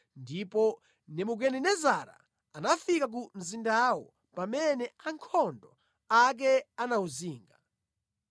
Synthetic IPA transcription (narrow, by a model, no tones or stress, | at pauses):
ndipɔ | nɛmuɡɛnɛnɛzaɾa̰ | anafikak̬um̩zindawɔ̰ | pamɛnɛaŋkʰɔndɔ | ak̬ɛanauziːŋɡa